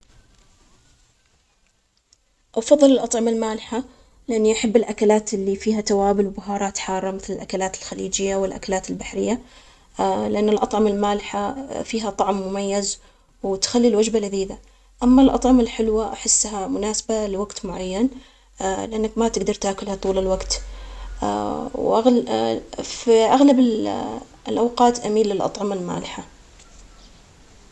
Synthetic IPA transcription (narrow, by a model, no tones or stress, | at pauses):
ʔɑfɑðˤːɨlɪlʔɑt̪ˤʕɑmalmaːlɪħa | lɪʔanːiʔaħabːɪlʔakalaːt̪ɪlːifiːhat̪awaːbɪlwbʊɦɑːɾˤɑːt̪ħɑːrˤːɑmɪθlɪlʔakalaːt̪ɪlxalḭːd͡ʒɪjːawɪlʔa̰kalaːt̪ɪlbaħɾɪjːa | lɪʔanːɪlʔɑt̪ˤʕɑmalmaːlɪħafiːɦat̪ˤɑʕmːʊmajːaz | wɪt̪xalːilwad͡ʒbalaðiːd̪a | ʔamːalʔɑt̪ˤʕɑmalħɪlwaʔaħɪsːɦamʊnaːsabalɪwaɡt̪mʊʕajːan | lɪʔanːakmat̪ɪɡd̪ɑɾˤt̪aːkʊlhat̪ˤuːlɪlwaɡt̪ | wʔaɣ | fiʔaɣlabɪ | lʔawqɑːt̪ʔamiːlːɪlʔɑ̰t̪ˤʕɑmalma̰ːlɪħa